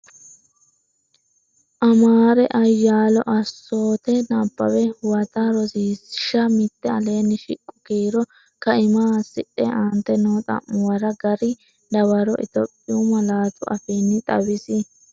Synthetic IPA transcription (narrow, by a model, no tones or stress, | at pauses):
ʔɐmaːɾɛʔɐjːaːlɔʔɐsːo̞ːt̪ɛnabːɐwɛwɐt̪aɾɔsiːsɪʃɐmɪt̪ːɛɐleːnɪʃɪkʼːʊ̥ɡeːɾɔ | kɐɪmaːsɪɗɛ̰ʔaːnt̪ːɛnoːt̪ʼɐ̰mːʊwɐɾɐɡɐɾɪ | d̪ɐwɐɾɔʔɪ̰t̪ɔpʼːɪʊmɐlaːt̪ʊʔɐfiːnːɪt̪ʼɐ̰wɪsɪ